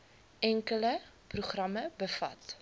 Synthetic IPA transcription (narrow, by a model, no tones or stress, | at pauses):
ʔɛŋkələ | pruχrɐməbəfɐ̰t